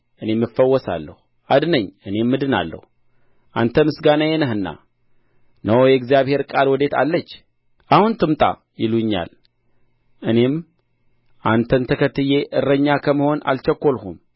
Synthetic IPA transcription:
ʔɨne̞mːɨfːəwːɔsa̰lːə̰hu | ad̪nəɲːɨne̞mːɨd̪ɨna̰lːə̰hu | ʔant̪ʰəmɨsɡanəjenəɦɨnːa̰ | nəwjɛɡzijaβhe̞ɾkʼalwɔd̪e̞t̪ʰa̰lːət͡ʃː | ʔahunt̪ʰɨmt̪ʼa̰ | jɪluɲːa̰l | ʔɨne̞m | ʔant̪ʰənt̪ʰəkʰət̪ːɨjeʔɨrːəɲːakʰəməho̞na̰lt͡ʃɛkʷːo̞lhum

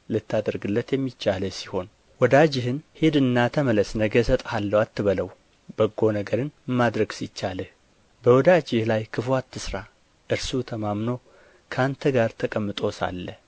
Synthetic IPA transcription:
lɨt̪ʰːad̪əɾɡɨlːət̪jɛmːit͡ʃːaləsiho̞n | wɔd̪ad͡ʒɪɦɨnhed̪ɨnːat̪ʰəmələsnəɡəsət̪ʼhalːəwat̪ʰːɨβələw | bəɡːo̞nəɡəɾɨnmad̪ɾəɡsit͡ʃːaləh | bəwɔd̪ad͡ʒɪhlajkʰɨfwat̪ːɨsɾa | ʔɨɾsut̪ʰəmamno̞ | kʰant̪ʰəɡaɾt̪ʰəkʼəmːɨt̪ʼo̞sa̰lːə

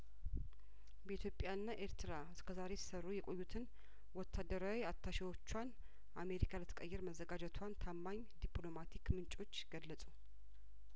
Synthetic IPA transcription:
bəit̪ʰjopʼjaɨnːaʔe̞ɾt̪ʰɨɾaɨskʰəzaɾe̞si̥sərːujɛkʼo̞jːut̪ʰɨn | wɔt̪ʰːad̪əɾawiat̪ʰːaʃɪwo̞t͡ʃːwan | ʔame̞ɾikʰalət̪ʰə̥kʼəjːɛɾməzːəɡad͡ʒɛt̪ʰwant̪ʰamːaɲ | d̪iplo̞mat̪ʰikmɨnt͡ʃʼo̞t͡ʃːɡ̥əlːəsʼu

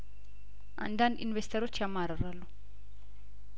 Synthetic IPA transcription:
ɐ̰ndanḭnʋest̪ɐɾot͡ʃamaɾɐɾalu

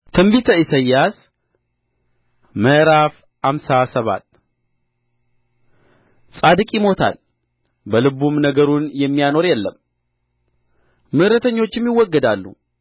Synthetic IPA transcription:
t̪ʰɨmbit̪ʰəisəjːas | məɾaf | hamsasəβa̰t̪ | sʼad̪ɨkʼjɪmo̞t̪ʰa̰l | bəlɨβumnəɡəɾunjɛmːijano̞ɾjɛlːəm | mɨʔɾət̪ʰəɲːo̞t͡ʃːɪmjɪwɔɡːəd̪alːṵ

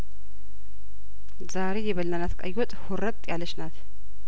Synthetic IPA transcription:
zaɾejɛβəlnanat̪kʼa̰jwɔt̪ʼhuɾətʼt̪ʼjaləʃnat̪

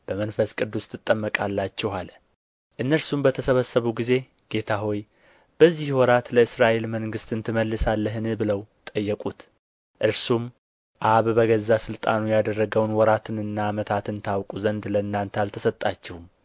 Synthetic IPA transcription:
b̥əmənfəskʼɨd̪ːust̪ʰɨt̪ʼːəmːəkʼalːat͡ʃːɛhal | ʔɨnːəɾsumbət̪ʰəsəβəsːəβuɡize̞ | ɡ̥e̞t̪ʰaɦo̞j | b̥əzːihwɔɾat̪ləɨsɾaʔe̞lməŋɡɨst̪ɨnt̪ʰɨməlːɨsalːəɦɨnɨbɨləwt̪ʼəjːəkʼut̪ | ʔɨɾsum | ʔaβbəɡəzːasɨlt̪ʼa̰nujad̪ərːəɡəwnwɔɾat̪ʰɨnɨnːaːmət̪ʰat̪ɨnt̪ʰawkʼuzənd̪ləɨnːant̪ʰəalt̪ʰəsət̪ʼːat͡ʃːɛhum

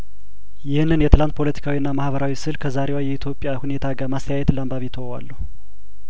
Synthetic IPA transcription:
jɪhnːɨnjɛt̪ʰɨlant̪̚pʰo̞lət̪ʰi̥kʰawiɨnːamahbəɾawisɨlkʰəzaɾewajɛit̪ʰjo̞pʼːjahunet̪ʰaɡamast̪ʰəjajɛt̪ɨlambaβit̪ʰəwa̰lːəhu

